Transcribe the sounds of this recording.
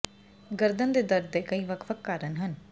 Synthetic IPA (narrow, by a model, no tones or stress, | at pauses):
ɡəɾd̪ənd̪eːd̪əɾd̪̚d̪eːkəiːʋəkʰʋəkːaːɾənɦən